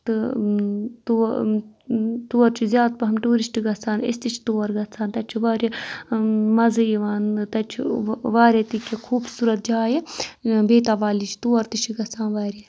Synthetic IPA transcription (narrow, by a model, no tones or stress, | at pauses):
t̪ɨ | t̪u | t̪uːɐɾt͡ʃʰizʲjaːd̪̚pɐɦɐmʈuːɾisʈɡɐt͡sʰaːnḭst̪it͡ʃʰt̪uːɐɾɡɐt͡sʰaːnt̪ɐt͡ʃʰiʋaːɾʲi | mɐzɨiʋaːnt̪ɐt͡ʃʰiʋaːɾʲɐt̪ikʰʲːekʰuːbsuːɾɐt̪̚d͡ʒaːjebeːt̪aːʋaːlit͡ʃʰi̥t̪uːɐɾt̪it͡ʃʰiɡɐt͡sʰaːnʋaːɾe